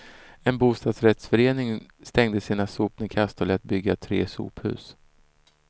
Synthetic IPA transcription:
ɛnbuːst̪ɑːd̪sɾɛt̪sfœɾeːnɪŋst̪ɛŋd̪əsiːnasuːp̚nɪkʰast̪ɔlɛːt̪̚bʏɡːat̪ʰɾḛːsṵːphʉ̟̰ːs

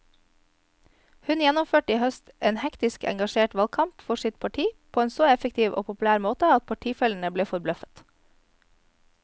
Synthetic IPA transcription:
hʉnjɛnʊmføːʈiːhœst̪ʔeːnhɛkt̪ɪskɛ̰ŋɡɑʃeːʈʋɑlkʰɑmpfɔʃɪt̪̚pʰɑʈʰiːpʰoːeːnsoːɛfək̚t̪ʰiːʋʔo̰ːpʰʊpʉlæːɾmoːt̪əɑt̪̚pʰɑʈʰiːfɛlɳ̩əbleːfɔɾblœfə̥t̪

